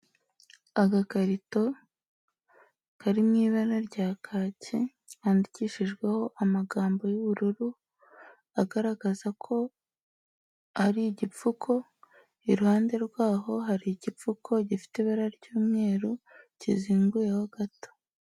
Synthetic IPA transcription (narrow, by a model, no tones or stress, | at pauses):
aɡakaɾito̞ | kaɾimŋiːβaɾaɾɟaːkʰaːci | aːndiciʃiʒɡwe̞ho̞ʔamaɡaːmbo̞juβuɾuɾu | aɡaɾaɡ̥azakʰo̞ | haɾiɟip͡fukʰo̞ | iɾuhaːnde̞ɾɡwaːɦo̞ɦaɾiɟip͡fukʰo̞ɟifi̥teβaɾaɾɟuːmŋe̞ːɾuciziːŋɡujehoɡ̥ato̥